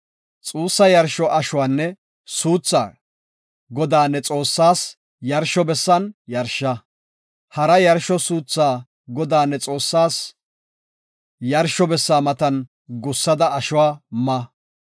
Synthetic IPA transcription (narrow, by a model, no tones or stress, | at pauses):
t͡sʼuːsːɐjɐɾʃɔʔɐʃʊwaːnːɛ | suːt͡sːa̰ː | ɡɔd̪aːnːɛt͡sʼo̞ːsːaːs | jɐɾʃɔbɛsːɐnjɐɾʃːɐ | hɐɾɐjɐɾʃɔsuːt͡sːaː | ɡɔd̪aːnːɛt͡sʼo̞ːsːaːs | jɐɾʃɔbɛsːaːmɐt̪ɐn | ɡʊsːɐd̪ɐɐʃʊwaːmɐ